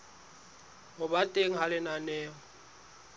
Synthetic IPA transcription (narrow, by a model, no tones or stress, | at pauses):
hʊbatʼeŋ̩ɦalɪnanɛːŋɔ